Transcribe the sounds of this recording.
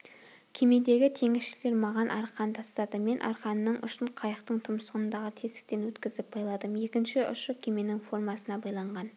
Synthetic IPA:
kʲʰe̞me̞d̪e̞ɡʲɪt̪ʰe̞ŋɪsʃɪleɾmɑʁɑnʔɑɾqɑnt̪ʰɑst̪ɑd̪əme̞nʔɑ̰ɾqɑnːəɴʔʊʃənqʰɑjəqt̪əɴt̪ʰʊmsəʁənnd̪ɑʁət̪ʰesɪ̥k̚t̪e̞nwɵt̪kʲɪzɪp̚b̥ɑjlˠɑd̪əmje̞kʲɪnʃɪʔʊ̰ʃəkʲʰe̞me̞nɪŋfo̞rmɑsənɑbɑjlˠɑɴʁɑn

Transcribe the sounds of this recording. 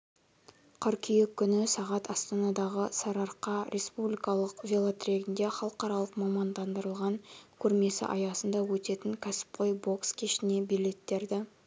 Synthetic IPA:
qʰəɾkʲʰijekʲʰːʏnɪsɑʁɑt̪ʰɑst̪ɑnɑd̪ɑʁəsɑɾɑɾqːɑɾʔe̞spublijkɑlˠəqvʲelˠot̪rʲe̞ɡʲɪnd̪e̞χɑlˠəqɑɾɑlˠəqmɑmɑnd̪ɑnd̪əɾəlˠʁɑŋkʲʰɵɾme̞sɪ̰ʔɑ̰jɑsənd̪ɑwɵt̪e̞t̪ɪŋkʲʰæsɪ̥p̚qʰojbo̞kskʲʰeʃɪne̞bile̞t̪ːe̞ɾd̪ɪ

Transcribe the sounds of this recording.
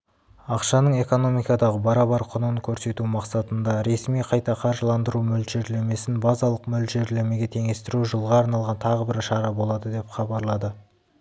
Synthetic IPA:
ɑqʃɑnəɴe̞ko̞no̞mijkɑd̪ɑʁəbɑɾɑbɑɾqʰʊnənkʲʰɵɾse̞t̪umɑqsɑt̪ənd̪ɑɾe̞smijqʰɑjt̪ɑqʰɑɾʒəlˠɑnd̪əɾumɵld̪ʒe̞ɾleme̞sɪnbɑzɑlˠəqmɵlʒe̞ɾle̞me̞ɡʲe̞t̪ʰe̞ŋe̞st̪ɪɾuʒəlˠʁɑːɾnɑlˠʁɑnt̪ʰɑʁəbɪɾʃɑɾɑbo̞lˠɑd̪əd̪e̞pχɑbɑɾlˠɑd̪ə

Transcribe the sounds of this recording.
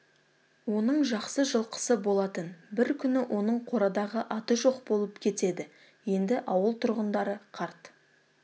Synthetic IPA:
wo̞nəɴʒɑqsəʒəlˠqʰə̥səbo̞lˠɑt̪ənbɪɾkʲʰʏnɪwʔo̞nəɴqʰo̞ɾɑd̪ɑʁəʔɑt̪əʒo̞qbo̞lˠəpkʲʰe̞t̪e̞d̪ɪ | je̞nd̪ɪʔɑwəlˠt̪ʰʊɾʁənd̪ɑɾəqʰɑɾt̪

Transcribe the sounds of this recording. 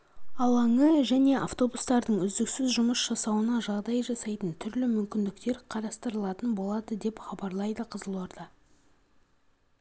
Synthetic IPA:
ɑlˠɑŋəʒæne̞ʔa̰ft̪o̞bust̪ɑɾd̪əɴʏzd̪ɪksɪzʒʊməsʒ̥ɑsɑwənɑʒɑʁd̪ɑjʒɑsɑjt̪ənt̪ʰʏɾlɪmʏmkʲɪnd̪ɪkt̪e̞ɾqʰɑɾɑst̪əɾəlˠɑt̪ənbo̞lˠɑd̪əd̪e̞pχɑbɑɾlˠɑjd̪əqʰəzəlˠoɾd̪ɑ

